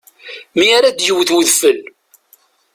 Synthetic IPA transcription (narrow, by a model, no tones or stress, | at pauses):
miaɾad̪jəwθwəðfəl